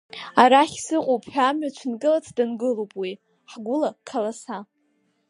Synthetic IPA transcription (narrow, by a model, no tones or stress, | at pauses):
aɾaχʲsɨqʷʼowpʰʼħᶣaːmɥat͡ʃʷʰnkʼɨlat͡sʰdanɡɨlowpʼwi | ħɡʷʊlakʰalasa